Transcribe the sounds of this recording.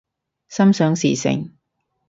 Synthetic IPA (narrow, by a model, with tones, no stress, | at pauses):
sɐ˥msœː˨˥ŋsḭː˨˩sɪ̰˨ŋ